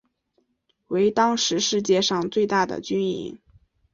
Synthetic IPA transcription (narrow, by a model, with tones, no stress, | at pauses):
we˧˥ɪt̪ɑ˥ŋʂɻ̩˧˥ʂɻ̩˥˧t͡ɕjɛ˥˧ʂɑ˥˧ŋt͡swe˥˧ɪt̪a˥˩d̪ə̰˨˩t͡ɕy˥nḭ˧˥ŋ